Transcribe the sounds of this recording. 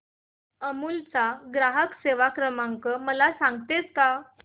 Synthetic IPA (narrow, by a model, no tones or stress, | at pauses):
əmuːlt͡saɡɾaɦəkseʋakɾəmãŋkəməlasãŋɡt̪et͡ska